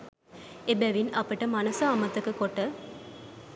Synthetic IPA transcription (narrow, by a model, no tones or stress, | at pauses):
ebæʋinʔɐpɐʈəmɐnɐsɐːmɐt̪ɐkɨkoʈːə